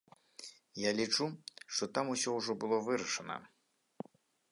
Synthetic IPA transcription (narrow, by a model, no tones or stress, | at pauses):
jalʲit͡ʂuʂt̪ɔt̪amusʲɔwʐɔbɨlˠɔvɨɾɐʂɐnɐ̰